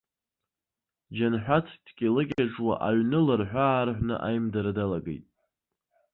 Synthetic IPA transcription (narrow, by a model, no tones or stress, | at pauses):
d͡ʒanħᶣʷat͡sʰdɡʲilɨɡʲaʈ͡ʂʼwa̰ʔaɥnɨlɨrħᶣʷaːrħʷnɨ̰ʔajmdaɾdalaɡḛjtʼ